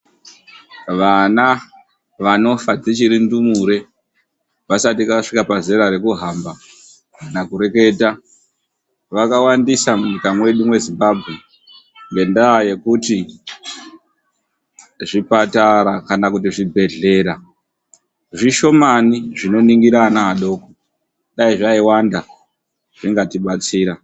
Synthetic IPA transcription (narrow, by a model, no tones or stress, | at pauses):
ʋana | ʋano̞fad͡zit͡ʃiɾindumuɾe̞ | ʋasatikaʂikapaze̞ɾaɾe̞kuɦamba | kanakuɾe̞ke̞ta | ʋakawandisamuɲikamwe̞ɗumwe̞zimbaːbʱɣe̞ | ŋɡe̞ndaːje̞kuti | ʐipataɾakanakutiʐibʱe̞ɮe̞ːɾa | ʐiʃo̞maniʐino̞niŋɡiɾanaːɗo̞ːko | ɗaiʐaiwanda | ʐiŋɡatiɓat͡siːɾa